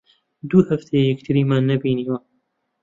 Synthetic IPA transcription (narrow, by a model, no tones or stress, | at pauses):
d̪uːhɐft̪ʰejjɛkt̪ʰɨɾiːmaːnːɐbiːniwɐ